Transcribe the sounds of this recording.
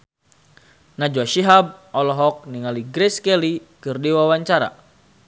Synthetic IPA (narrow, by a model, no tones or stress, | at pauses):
nad͡ʒoaʃiɦab̚ʔɔlɔɦɔk̚niŋaliɡɾɛskɛlikɨrdiwawaɲt͡ʃaɾa̰